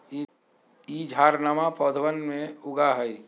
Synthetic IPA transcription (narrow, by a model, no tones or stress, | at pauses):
id͡ʒʱaːɾnamapɔːd̪ʱəʋənmẽʊɡaɦəi